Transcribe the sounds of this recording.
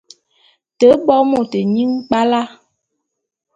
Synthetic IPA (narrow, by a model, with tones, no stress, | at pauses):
tə˨˦bɔ˦mo˦˨tə˨ɲi˦ŋk͡pa˦la˦